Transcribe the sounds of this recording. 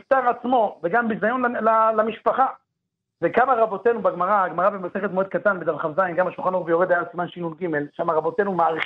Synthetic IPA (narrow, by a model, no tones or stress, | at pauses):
ift̪aʁat͡smo̞veɡambizajo̞nlalamiʃpaχa | vekamaʁabo̞t̪e̞nubaɡmaʁaaɡmaʁabemase̞χet̪moed̪̚kat̪anbed̪avχavzajnɡamaʃulχanobjoʁed̪ajasimanʃinunɡime̞lʃamaʁabo̞t̪e̞numaaʁi